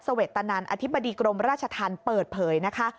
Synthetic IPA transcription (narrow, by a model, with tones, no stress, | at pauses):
sa˧we˨˩t̪ːa˧naː˧nʔa̰˧t̪ʰi˦˥bːa˧diː˧kɾo˧mɾaː˥˩t͡ɕʰa˧t̪ʰaː˧npɤː˨˩t̪̚pʰɤː˩˦jna˦˥kʰa˦˥